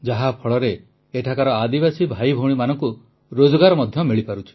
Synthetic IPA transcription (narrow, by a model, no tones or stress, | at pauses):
d͡ʒaɦapʰɔɭɔɾe | eʈʰakaɾɔad̪ibasibʱajbʱoɽ̃imanɔŋku | ɾod͡ʒɔɡaɾɔmɔd̪ʱjɔmiɭipaɾut͡ʃʰi̥